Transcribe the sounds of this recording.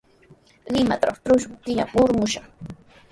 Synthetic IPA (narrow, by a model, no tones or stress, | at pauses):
ɢɪmat̪aɾɑχt̪ɾʊʃmʊt̪ɪjamʊɾmʊʃɑχ